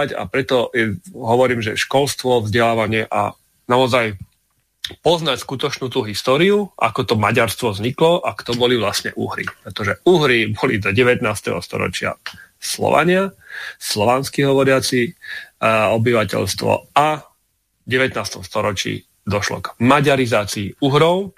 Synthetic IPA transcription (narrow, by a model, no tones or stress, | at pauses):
aca̰pɾɛt̪ɔɛɦɔʋɔɾiːmʒɛʃkɔlst̪ʋɔvzɟɛlaːʋaɲɪɛʔa̰ | naɔzaj | pɔznacskut̪ɔt͡ʃnuːt̪uːɦist̪ɔːɾiuʔa̰kɔt̪ɔmaɟaɾst̪ʋɔvzɲiklɔʔakt̪ɔbɔliʋlasɲɛ̰ʔṵɦɾḭpɾɛt̪ɔʒɛuɦɾibɔlid̪ɔɟɛʋɛt̪naːst̪ɛ̰ɦɔ̰st̪ɔ̰ɾɔ̰t͡ʃɪa̰slɔ̰ʋa̰ɲɪaslɔʋanskiɦɔʋɔɾɪat͡si | ɔbiʋacɛ̰ʎst̪ʋɔ̰a | ɟɛʋɛt̪naːst̪ɔmst̪ɔɾɔt͡ʃḭː | d̪ɔʃlɔ̰ɡmaɟaɾizaːt͡siːuɦɾɔʊ